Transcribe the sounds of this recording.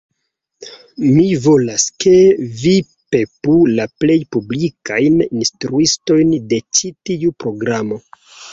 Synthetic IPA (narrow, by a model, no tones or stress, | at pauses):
mivo̞laskʰe̞vi | pe̞pulaple̞jpublikajninstɾuisto̞jnde̞t͡ʃitiupɾo̞ɡɾamo̞